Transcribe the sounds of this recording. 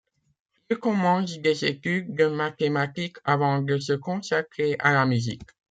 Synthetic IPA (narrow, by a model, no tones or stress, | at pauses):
səkɔ̃mɑ̃ʒd̪ezekyd̪əmat̪emat̪ikavɑ̃d̪əsəkɔ̃sakχeʔalamyzḭk